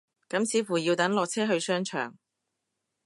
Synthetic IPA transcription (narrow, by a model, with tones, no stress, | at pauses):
kɐ˨˥msiː˨˧fuː˨˩jiː˧wt̪ɐ˨˥ŋlɔː˨k̚t͡sʰɛː˥ɦɵ˧ɥsœː˥ŋt͡ʃʰœ̰ː˨˩ŋ